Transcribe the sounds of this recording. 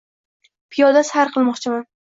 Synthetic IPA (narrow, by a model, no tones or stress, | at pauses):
pʰɪjɒd̪asaɾqʰɨlˠmɒqt͡ʃʰɪman